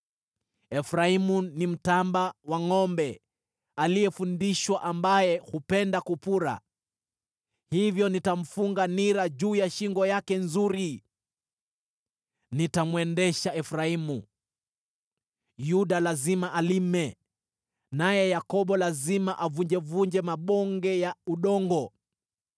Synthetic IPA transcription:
ɛfɾaimunim̩tambawaŋɔmbɛ | aliɛfundiʃwaʔambajɛhupɛndakupuɾa̰ | hivjɔnitam̩fuŋɡaniɾaʄuːjaʃiŋɡɔjakɛnzuɾi | nitamwɛndɛʃaɛfɾaimu | juɗalazimaʔalimɛ | najɛjakɔɓɔlazimaʔavuɲd͡ʒɛvuɲd͡ʒɛmaɓɔŋɡɛjauɗɔŋɡɔ

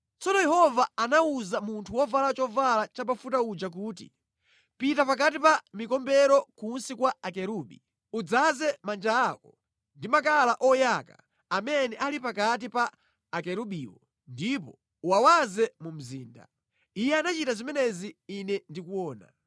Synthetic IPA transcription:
t͡sɔnɔjɛhɔvaːnauzamuntʰuwɔvalat͡ʃɔvalat͡ʃapafutaud͡ʒak̬uːtḭ | pitapak̬at̬ipamikɔmbɛɾɔkunsikwaakɛɾuɓḭ | ud͡zazɛmand͡ʒaːkɔ | ndimak̬alaʔɔjaka̰ | amɛnɛʔalipakat̬ipaː | kɛɾuɓiːwɔ | ndipɔ̰ | uwawazɛmum̩ziːnda̰ | ijɛanat͡ʃitazimɛnɛziinɛndikuwɔːna̰

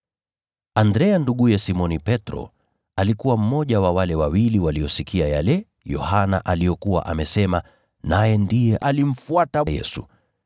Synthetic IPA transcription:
andɾɛanduɠujɛsimɔnipɛtɾɔ̰ | alikuwam̩mɔʄawawalɛwawiliwaliɔsikʰiaja̰lɛ | jɔ̰hana̰ʔalijɔkuwa̰ʔamɛsɛma | najɛndijɛʔalim̩fuatajɛ̰su

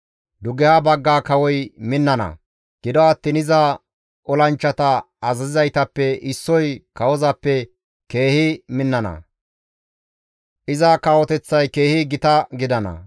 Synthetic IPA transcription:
d̪ʊɡɛhɐbɐɡːaːkɐwɔjmɪnːɐnɐ̰ | ɡ̥ɪd̪ɔɐt̪ːiːnɪzɐ | ʔɔlɐnt͡ʃːɐt̪ɐ | ɐzɐzɪzɐjt̪ɐpːɛʔɪsːɔjkɐwɔzɐpːɛ | ke̞ːhɪmɪnːɐnɐ̰ | ʔɪzɐkawɔt̪ɛt͡sːɐjke̞ːhɪɡɪt̪ɐɡɪd̪ɐnɐ̰

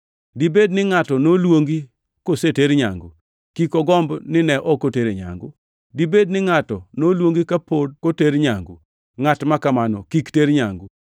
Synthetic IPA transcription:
dibednɪŋatɔnolwoŋɡi | koseteɾɲa̰ŋɡo | kikɔɡɔmbnɪnɛʔɔkoteɾeɲa̰ŋɡo | dibednɪŋatɔnolwoŋɡikapod̚koteɾɲaŋɡu | ŋatmakamanɔ̰kikteɾɲaŋɡu

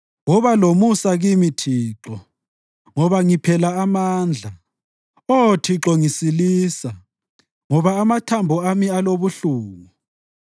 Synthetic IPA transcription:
wɔβalomusaɣimitʰiːǁɔ | ŋɔβaŋipʰɛlaːmaːnd͡ɮʱa | otʰiǁɔŋisiliːsa | ŋɔβaːmatʰambʱɔamialoβuɬuːɣu

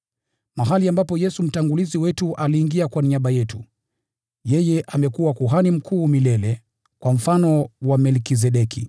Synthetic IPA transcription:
maɦaliambapɔjɛsum̩taŋɡuliziwɛtuʔaliːŋɡiakwaniaɓajɛtu | jɛjɛʔamɛkuwakuɦanim̩kʰuːmilɛlɛ | kwam̩fanɔwamɛlkiz̬ɛɗɛki

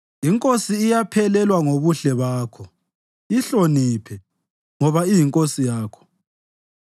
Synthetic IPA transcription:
iŋkʼosiːjapʰɛlɛlwaŋoβuɬɛβaːkʰɔ | iɬonipʰɛ | ŋɔβaijiŋkʼosijaːkʰɔ̥

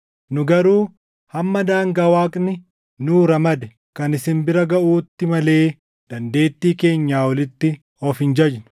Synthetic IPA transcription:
nʊɡɐɾuː | hɐmːɐd̪aːŋɡaːwaːkʼnɪ | nuːɾɐmɐd̪ɛ | kɐnɪsɪnbɪɾɐɡɐʔuːt̪ːɪmɐle̞ː | d̪̥ɐnd̪e̞ːt̪ːiːke̞ːɲːaːwɔlɪt̪ːɪ | ɔfɪnd͡ʒɐd͡ʒnʊ̥

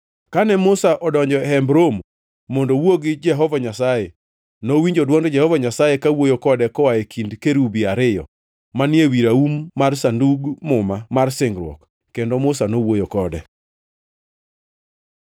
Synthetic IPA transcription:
kanɛmʊsaʔɔdɔɲd͡ʒɔɦɛmbɾomː | ondowoɡɪd͡ʒɛɦɔvaɲasaje | nowiɲd͡ʒodwɔŋdd͡ʒɛhɔvaɲasajekawojokɔdɛkɔwajekʰindkeɾubiaɾɪjɔ̰ | manɪewiɾaumːarsanduɡmʊmamarsɪŋɡɾwɔ̰k | kendomʊsanowojokɔdɛ

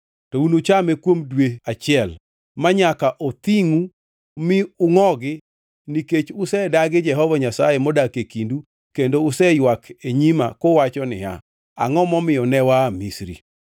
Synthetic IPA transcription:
tɔunot͡ʃamɛkwomdweat͡ʃɪɛl | maɲakaʔot̪iŋu | mɪʊŋɔɡɪ | niket͡ʃʊsɛdaɡɪd͡ʒɛɦɔvaɲasajemɔdakekindu | kendoʊsɛjwakʰeɲima̰kowat͡ʃɔnɪ̰ha̰ | a̰ŋɔmɔmɪjɔnɛwamisɾḭ

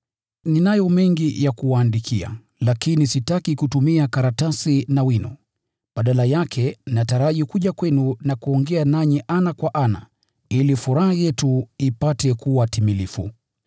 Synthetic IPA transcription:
ninajɔmɛŋɡijakuwaːndikʰia̰ | lakinisitakikutumiakaɾatasinawinɔ̰ | ɓaɗalajakʰɛnnataɾaʄikuʄakwɛnunakuɔŋɡɛanaɲiʔanakwaʔana | ilifuɾahajɛtuipatɛkuwatimilifṵ

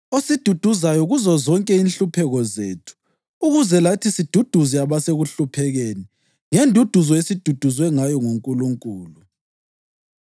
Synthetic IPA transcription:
osid̥ʱud̥ʱuzajɔɣuzɔzɔŋkʼɛinɬupʰɛɣɔzeːtʰu̥ː | ɣuzɛlatʰisid̥ʱud̥ʱuziaβaseɣuɬupʰɛɣeːni | ŋendʱud̥ʱuzɔesid̥ʱud̥ʱuzwɛŋajɔŋoŋkʼuluŋkʼuːlu

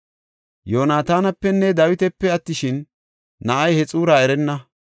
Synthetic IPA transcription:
joːnaːt̪aːnɐpːɛnːɛd̪ɐwɪt̪ɛpːɛɐt̪ːɪʃɪnː | ɐʔɐjhɛt͡sʼuːɾaːɛɾɛnːɐ

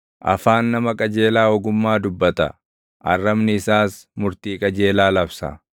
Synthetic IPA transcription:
ʔɐ̰faːnːɐmɐkʼɐd͡ʒe̞ːlaːɔɡʊmːaːd̪ʊbːɐt̪ɐ̰ | ʔɐ̰rːɐmnɪɪsaːsmʊɾt̪iːkʼɐd͡ʒe̞ːlaːlɐbsɐ̰

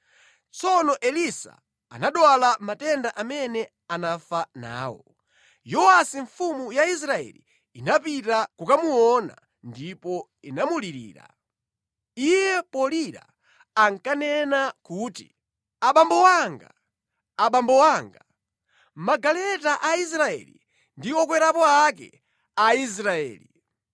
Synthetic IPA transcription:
t͡sɔnɔʔɛlisa̰ | a̰naɗwalamatɛndaʔamɛnɛ | anafana̰ːwɔ̰ | jɔasiɱfumujais̬ɾaɛ̰li | inapitakukamuɔna̰ | ndipɔ | inamuliɾḭːɾa̰ | ijɛpɔliɾa̰ | aŋkanɛnakuːtḭ | aɓambɔwaŋɡa | aɓambɔwaːŋɡa | maɡalɛtaʔais̬ɾaɛ̰lḭ | ndiɔk̬wɛɾapɔak̬ɛ̰ | ais̬ɾaɛ̰ːli

